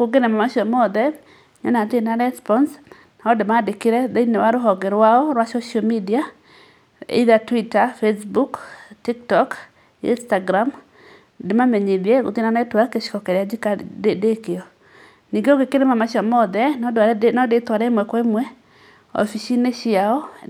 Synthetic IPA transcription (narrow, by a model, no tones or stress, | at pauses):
koɡenɛmamaʃɔmɔd̪ɛ | ɲɔ̰nat̪enaɾɛspɔns | nɔdɪmadɪkeɾɛdeinewaɾoɦɔɡeɾwaɔɾwasoʃɔmidia | ḛðatwitafesbuktiktɔk | ḭnstaɡɾam | dɪmameɲidjeɡo̰t̪ɪnanɛtwakeʃkɔkɛɾjad͡ʒɪkaedekeɔ | niɡoɡekeɾemamaʃɔmɔd̪ɛndaɾnɔdɪt̪waɾɛmwɛkwɛmwɛ | ɔ̰fiʃineʃɪaɔ